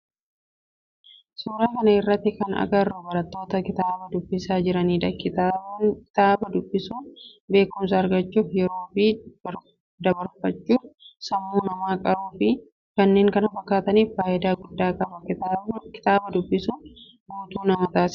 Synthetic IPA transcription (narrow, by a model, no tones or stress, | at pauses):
suːɾaːkɐnɐɪrːɐt̪ːɪkɐnɐ̰ɡɐrːɔbɐɾɐt̪ːo̞ːt̪ɐkɪt̪aːbɐd̪ʊbːɪsaːd͡ʒɪɾɐniːd̪ɐkɪ | t̪aːbɐd̪ʊbːɪsuːnbe̞ːkʊms̬ɐːɾɡɐt͡ʃːuːfjɛɾo̞ːfɪ | d̪ɐbɐɾfɐt͡ʃːuːfsɐmːuːmɐmaːkʼɐɾuːfɪ | kɐnːeːŋkɐnɐfɐkːaːt̪ɐniːffaːʔɪd̪aːɡʊd̪ːaːkʼɐbɐkɪ̥t̪aːbɐd̪ʊbːɪsun | buːt̪uːnɐmɐt̪aːs